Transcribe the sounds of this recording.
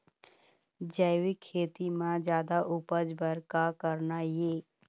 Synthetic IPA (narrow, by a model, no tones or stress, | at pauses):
d͡ʒəjwikʰːeːt̪imãd͡ʒjaːd̪aʔʊpəd͡ʒbəɾkakəɾnajeː